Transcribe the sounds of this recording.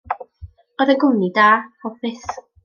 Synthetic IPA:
ɔðəɡʊmnidaːɔbɪθ

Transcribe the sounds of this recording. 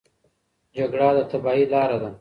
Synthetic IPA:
d͡ʒaɡɽad̪ət̪ɐbaːilɑːɾad̪a

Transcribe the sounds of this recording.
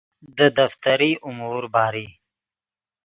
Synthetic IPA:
d̪əd̪aft̪aɾiʔʊmuɾbɑːɾi

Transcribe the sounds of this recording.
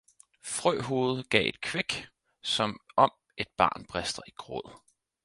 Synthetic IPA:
fʁœ̰ːɦo̝ːð̞̩ˠɡ̥ɛ̰ːe̝d̥̚kʰʋeɡ̥ | sɒ̽mɒ̽m | e̝d̥̚b̥ɑ̈ːnb̥ʁɛsd̥ɐiɡ̥ʁɔ̰ð̰ˠ

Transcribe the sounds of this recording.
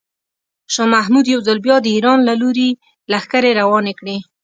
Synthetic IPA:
ʃɑmahmud̪jawzalbjɑd̪əiɾɑnlaloɾe | laxkaɾeɾawɑnekɽe

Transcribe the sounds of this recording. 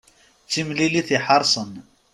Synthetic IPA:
t͡sːimliliθiħɑɾˤsˤən

